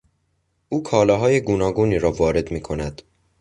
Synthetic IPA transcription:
ʔuːkʰɒːlɒːɦɒːje̞ɡuːnɒːɡuːniːɾɒːvɒːɾe̞d̪miːkʰo̞næd̪̥

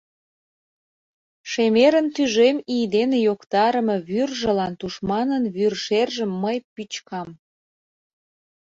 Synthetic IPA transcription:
ʃemeɾənt̪yʒemijd̪enejokt̪ɑɾəmɤβyrʒə̆lɑnt̪uʃmɑnənβyrʃerʒəmːəjpyt͡ɕkɑm

